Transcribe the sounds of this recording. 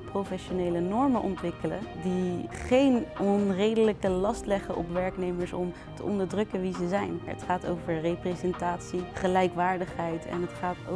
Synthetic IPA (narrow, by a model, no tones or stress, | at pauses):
prowfɛʃonejlənɔɹmənʔɔntʋɪkələ̰diχejnɔnrejdələkəlɑstlɛχəʔɔ̰pʋɛɹknejməɹsɔm | tə̰ʔɔndəɹdrɵkənʋizəzɛjnə̰tχaːto̰wvəɹreprezɛntaːtsiχəlɛjkʋaːɹdəχɦɛjtʰɛ̰nɦətχaːt